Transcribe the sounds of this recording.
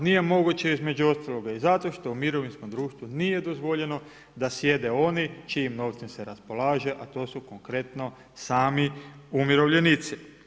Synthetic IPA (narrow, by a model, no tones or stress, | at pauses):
nije̞mo̞ɡut͡ɕe̞izme̞d͡ʑuo̞st̪alˠo̞ɡaizat̪o̞ʃt̪o̞umiɾo̞ʋinsko̞md̪ɾuːʃt̪ʋunije̞d̪o̞zʋo̞ʎe̞no̞ | d̪asje̞d̪e̞o̞nit͡ʃiimnoʋt̪simseɾaspo̞laːʒe̞ʔat̪o̞ːsuko̞ŋkɾe̞t̪no̞ | saːmiumiɾoʋʎe̞nit̪si